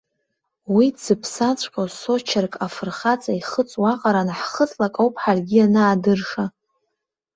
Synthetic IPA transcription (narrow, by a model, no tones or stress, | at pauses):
widsɨpʰsat͡ɕʷʼkʲʼaso̞t͡ʃʰɪrkʼafɨrχat͡sʼaiχət͡sʼwaqʼaɾanħχət͡sʼlakʼowpʰħarɡʲianaːdɨrʂa